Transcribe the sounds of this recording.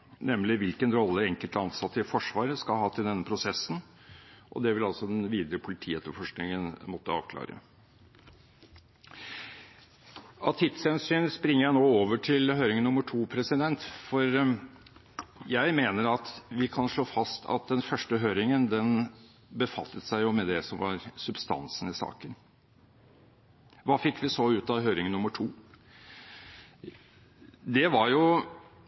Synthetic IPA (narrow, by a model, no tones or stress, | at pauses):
nɛmlɪʋɪlkənɾɔlːəɾɛŋkəlt̪ɑnsɑt̪ːɪfɔʂʋɑːɾəskɑlɦɑːt̪ʰɪld̪ɛnːəpʰɾʊsɛsːn | ʔɔ̰d̪ɛʋɪlɑlsɔd̪ɛnʋiːd̪əɾəpʰʊlɪt̪ʰiːɛt̪ːəfɔʂknɪŋənmɔt̪ːəɑ̰ːʋkʰlɑ̰ːɾə̰ | ɑt̪ʰɪt̪shɛnsyːnspɾɪŋːəjæɪnoːoːʋəʈʰɪlɦøːɾɪŋənːʊməʈʰuːpʰɾɛsɪd̪ɛnt̪fɔɾ | jæɪmeːnəɾɑt̪ʋɪkʰɑnʂɭoːfɑst̪ʰɑ̰t̪̚d̪ɛnfœʂʈəɦøːɾɪŋənd̪ɛn | bəfɑ̰t̪ʰːət̪sæɪjʊmɛd̪ɛsɔmʋɑ̰ɾsʉbst̪ɑ̰nsnɪsɑ̰ːkən | ʋɑːfɪkːʋɪsoːʉːt̪ɑɦøːɾɪŋənːʊmːəʈʰuː | d̪ɛʋɑɾjʊ